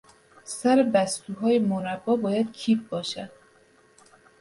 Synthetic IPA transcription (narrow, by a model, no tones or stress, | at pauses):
sæɾebæst̪uːɦɒːjemoɾæbːɒːbɒːjæd̪̥cʰiːp̚bɒːʃæd̪̥